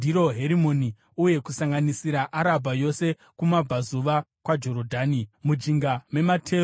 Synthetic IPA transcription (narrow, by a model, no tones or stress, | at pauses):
diɾo̞ɦe̞ɾimo̞ni | uje̞kusaŋɡanisiɾaʔaɾabʱajo̞se̞ | kumab͡vazuʋa | kwad͡ʒo̞ɾodʱaːnimud͡ʒiŋɡame̞matʰe̞ː